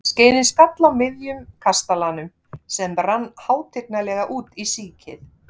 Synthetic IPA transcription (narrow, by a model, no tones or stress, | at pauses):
sceːjnɪnskat̪lawmɪðjʏmkʰast̪alanʏm | sɛmɾanːhaːwt̪ʰeknalɛːɣaʔuːt̪isiːcʰɪ̰θ